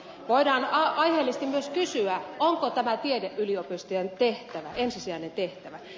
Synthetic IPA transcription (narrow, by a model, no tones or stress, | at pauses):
ʋoidɑːnɑɑiheːlːist̪imyøskysyæoŋkot̪æmæt̪iedeʔʔyliopyst̪ijent̪eht̪æʋæʔensisiæˑinent̪eht̪æʋæ